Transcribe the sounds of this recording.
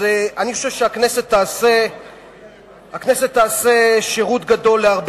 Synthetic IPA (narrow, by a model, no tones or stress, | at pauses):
eanixo̞ʃevʃeaknese̞t̪ːaːse | akneset̪ːaːseʃeʁut̪ɡad̪o̞lːeaʁb